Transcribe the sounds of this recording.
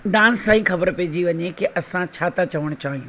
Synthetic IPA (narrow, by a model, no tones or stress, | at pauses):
ɖãːnsːãːĩxɐbəɾpeːd͡ʑiʋɐɲekeʔɐsãt͡ɕʰaːt̪at͡ɕɐʋəɽ̃t͡ɕaːɦijũ